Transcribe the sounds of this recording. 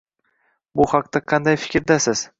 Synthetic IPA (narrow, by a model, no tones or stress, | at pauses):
bʊhɑq̚t̪aqʰɑnd̪ajfɪ̥kʲɾd̪asɪz̥